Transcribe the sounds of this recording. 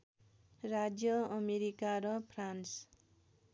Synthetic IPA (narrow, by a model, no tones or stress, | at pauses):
rad͡zjʌʌmeɾikaɾʌpʰrans